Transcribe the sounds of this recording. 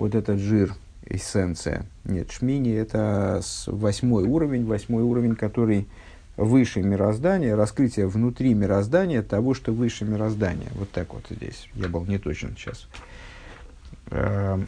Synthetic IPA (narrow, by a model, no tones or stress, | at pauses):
vo̞t̪ɛt̪ət̪ʐɨr | ɪ̰sʲɛnt̪sɨ̰jə̰nʲḛt̪ʂmʲinʲɪɛt̪əsvɐsʲmo̞juɾəvʲɪnʲvɐsʲmo̞juɾəvʲɪnʲkɐt̪o̞ɾɨj | vɨʂɨmʲɪɾɐzd̪anʲɪjəɾɐskɾɨtʲɪjəvnʊt̪ɾʲimʲɪɾɐzd̪anʲɪjət̪ɐvo̞ʂt̪o̞vɨʂɨmʲɪɾɐzd̪anʲɪ̰jə̰vo̞t̪ːakvo̞̰t̪zʲdʲḛsʲjabɨlˠnʲɪt̪o̞t͡ɕɪ̰nɕa̰s